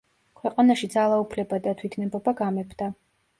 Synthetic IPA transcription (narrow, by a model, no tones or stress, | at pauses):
kʰwɛqʼanaʃid̪zalˠaupʰlɛbad̪at̪ʰwit̪ʰnɛbɔbaɡamɛpʰd̪̥a